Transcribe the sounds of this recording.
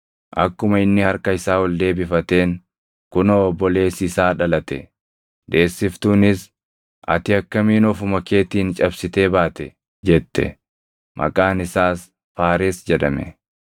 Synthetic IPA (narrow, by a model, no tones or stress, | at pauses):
ʔɐkːʊmɐɪnːɪhɐɾkɐɪsaːwɔld̪e̞ːbɪfɐt̪e̞ːŋ | kʊnɐɔbːɔle̞ːsɪsaːᶑɐlɐt̪ɛ | d̪e̞ːsːɪft̪uːnɪs | ʔɐ̰t̪ɪɐkːɐmiːnɔfʊmɐke̞ːt̪iːnt͡ʃʼɐbsɪt̪e̞ːbaːt̪ɛ | d͡ʒɛt̪ːɛ̰ | mʔɐ̰kʼaːnɪsaːs | faːɾeːsd͡ʒɛᶑɐ̰mɛ̰